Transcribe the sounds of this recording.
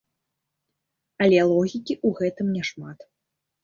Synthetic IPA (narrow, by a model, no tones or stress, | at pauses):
ɐlʲɛlˠɔɣʲikʲiʔuɣɛt̪ɨmnʲɛʂmat̪